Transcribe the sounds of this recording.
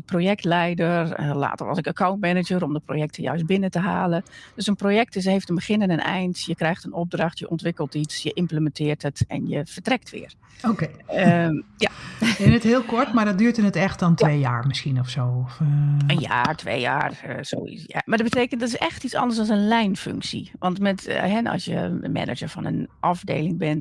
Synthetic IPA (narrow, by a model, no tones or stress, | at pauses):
əprojɛktlɛjdərla̰ːtərʋɔ̰sɪkəkʰawntmɛnəd͡ʒəɾɔmdəpro̰jɛk̚tʰəjœ̰ɥst̚bɪnətəɦa̰ːləd̥øsənproːjɛk̚tɪs̬heːftənbəχɪnənənɛ̰jntjəkrɛjxtənɔp̚drɑxtjəʔɔntʋɪkəlˠtisjəʔɪmpləmɛntɪːrtətɛ̰njəfərtrɛk̚tʰʋɪ̰ːər | okeː | jaɪnətɦɪːlˠkɔɹtmaɹdɔdyːɹtənətɛxtdɔntʋeːjaːɹmɪskinɔfsoːɔfənja̰ːtʰʋḛːja̰ːrso̰ːḭja̰madɔbəteːkəntdɔtɪsɛxtit͡sɑ̰ndəɹsɔlˠsənlɛjnfø̰ŋksḭʋɑntmɛtɦɛnɔ̰sjə̰mɛ̰nə̰d͡ʒəɹfɔnə̰nʔɑfdḛːlɪŋbɛn